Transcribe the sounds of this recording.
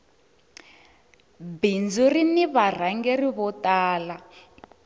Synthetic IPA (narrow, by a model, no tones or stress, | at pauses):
bind͡zuriniβar̤aŋɡeriβɔtaːla